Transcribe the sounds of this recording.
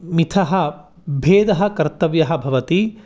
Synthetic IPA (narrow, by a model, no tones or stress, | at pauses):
mit̪ʰɐɦɐ̆ | bʱeːd̪ɐɦɐ̆kɐɾt̪ɐʋjɐɦɐ̆bʱɐʋɐt̪i